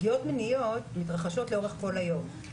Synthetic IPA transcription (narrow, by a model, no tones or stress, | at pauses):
ijo̞tmenijotmitʁaχaʃo̞tleo̞ʁeχko̞lajo̞m